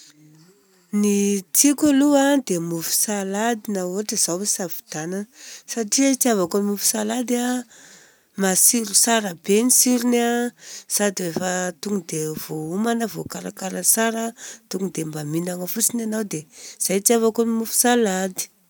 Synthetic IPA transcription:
nit͡sikʲaluad̪emufu̥salad̪inawoʈ͡ʂəz̥awesavi̥d̪̥anansaʈ͡ʂit͡siavakonimufu̥salad̪ia | masiɾusaɾəbenisiɾunasad̪iefət̪uŋud̪ev̥oumanəvokaɾakaɾəsaɾət̪uŋud̪embaminaŋəfut͡sinanawd̪ez̥ajt͡siavakonimufu̥salad̪i̥

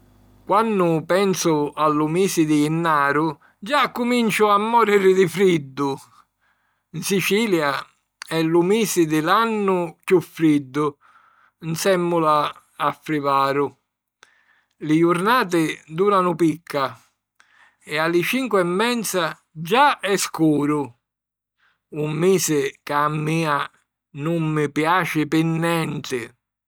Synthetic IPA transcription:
kwanːʊpɛnsʊalːumiːsɪd̪ɪːnːaːɾʊ | d͡ʒakːʊmint͡ʃʊamːɔɾiɾɪd̪ɪfɾid̪ːʊ | nsit͡ʃiːlja | ɛlːumiːsɪd̪ɪlanːʊkjufːɾid̪ːʊ | nsɛmːʊlaː | fɾivaːɾʊ | lɪjʊɾnaːt̪̬ɪd̪uːɾanʊpikʰːa | ɛalːɪt͡ʃiŋkwɛmːɛnt̪sa | d͡ʒaɛskuːɾʊ | umːiːsɪkamːiːa | nʊmːɪpjaːt͡ʃɪpɪnːɛnt̪ɪ

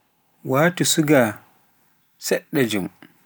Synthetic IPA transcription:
waːtusuɡa | sɛɗːɛd͡ʒum

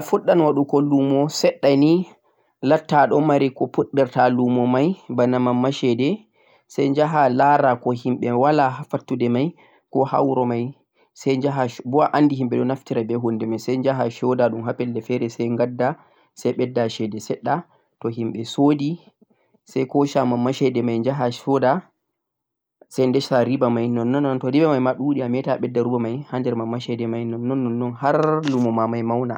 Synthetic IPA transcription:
fuɗːanwaɗukɔlːumɔsɛɗːani | latːaɗɔmaɾikɔpuɗːɛɾtalumɔmajbanamamːaʃɛdɛ | sajɲd͡ʒaɦalaɾakɔhimɓɛwalaɦafatːudɛmaj | kɔha̰wɾɔmaj | sajd͡ʒaɦabɔaʔandihimɓɛɗɔnaftiɾabɛɦundɛmajsajɲd͡ʒaɦaʃɔdaɗumɦapɛldɛfɛɾɛsɛjŋɡadːa | sajɓɛdːaʃɛdɛsɛɗːa | tɔɦimɓɛsoːdi | sajkɔʃamamːaʃɛdɛmajnd͡ʒaɦaʃɔda | sajndɛʃaɾibamajnɔnːɔnːɔntɔɾibamajmaɗuɗiamɛtaɓɛdːaɾubamajhandɛɾmamːaʃɛdɛmajnɔnːɔnːɔnːɔnhaɾlumɔmamajmawna̰

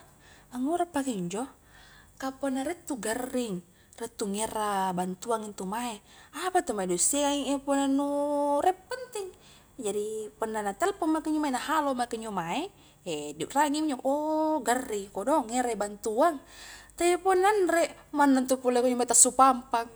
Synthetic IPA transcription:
aŋuɾapːakɛɲd͡ʒɔ | kapɔnaɾɛt̪ːuɡərːiŋ | rɛt̪ːuŋɛɾabant̪uaŋint̪umaeapat̪ɔmaɛdusikaiŋepɔnanuɾɛpːənt̪iŋ | d͡ʒadipɔnːanat̪ɛlpɔmakəɲd͡ʒɔmaɛnahalomakəɲd͡ʒɔmaɛ | ɛdraŋimd͡ʒɔkoɡərːiŋkɔdɔŋːɛɾaibant̪uaŋt̪apɔnːanrɛʔmanːant̪upulakɔɲɔmat̪asupampaŋ

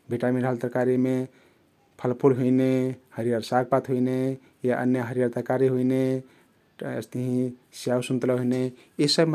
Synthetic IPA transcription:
bʱiʈamĩɖʱalt̪əɾkaɾime | pʰəlpʰulɦoinehəɾijaɾsaɡ̚pat̪ɦuine | jaʔə̰njəɦəɾijaɾt̪əɾkaɾiɦuine | ḛst̪əɦĩsijawsunt̪ləɦojne | isəb

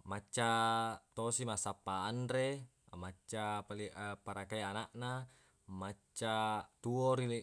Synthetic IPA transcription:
mat͡ʃːat̪osimasapːaːndɾe | mat͡ʃːapaliʔpaɾakaianaʔna | mat͡ʃːat̪uoɾili

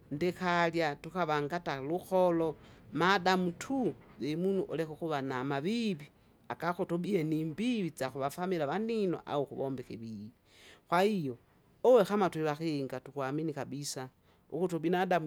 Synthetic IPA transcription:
ndekaljatukaβaŋɡataluxolomadamutʰuβemunuʔolekoxuβanamaβiβi | akaxutoɓieniːmbiβit͡saxuβafamilaβanino̰ʔa̰oxuβoːmbixiβiβi | xwaijo | owexamatwiβaxeŋɡatukwaminikaɓisa | ṵkutobinadam

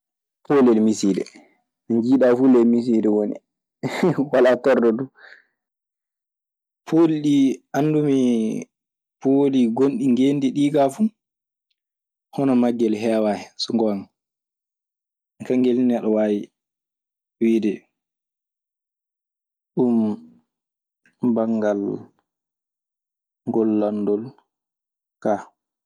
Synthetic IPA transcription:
polɛlmisidɛ̰ | miɲd͡ʒiɗafulɛlmis̬idɛwonḭ | walatɔrdɔdu | pʰoːliɗianːdumi | pʰoːliɡonɗiŋɡendiɗiːɡafu | hɔnɔmaɡːɛlɦɛːwaɛsɔŋɡɔaŋ | kaŋɡelinaɗɔwaːwi | wiːdɛ | ɗum | baŋɡal | ŋɡɔlːandɔl | ka

